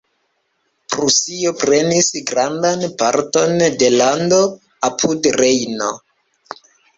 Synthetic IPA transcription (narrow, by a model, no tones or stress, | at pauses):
pɾusiopɾe̞nisɡɾandanpaɾto̞nde̞lando̞ | apʰudɾe̞jno̞